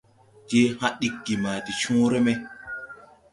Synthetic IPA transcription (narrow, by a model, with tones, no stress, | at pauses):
d͡ʒe˦hã˦ɗi˦kːi˨ma˨ti˨t͡ʃũː˦ɾe˦me˦